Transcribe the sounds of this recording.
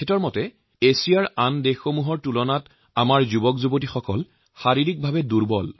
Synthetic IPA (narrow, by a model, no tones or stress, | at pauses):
ɛtɔɹmɔtɛ | esijaɹandexxomuɦɔɹtulɔnat | amaɹzubɔkzubotixɔkɔl | xaɹiɹik̚bʱabɛduɹbɔ̰l